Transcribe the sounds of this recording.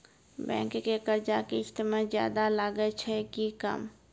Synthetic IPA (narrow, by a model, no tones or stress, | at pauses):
bɛ̰̃ːŋkːekəɾd͡ʒakiɪst̪əmazja̰ːd̪alaːɡət͡ʃɦɛkikə̰m